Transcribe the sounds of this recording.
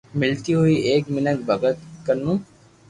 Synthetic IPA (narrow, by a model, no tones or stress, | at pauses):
mɪlt̪iɦuiːʔeːkmɪnək̚bʱɐɡət̪kənːũː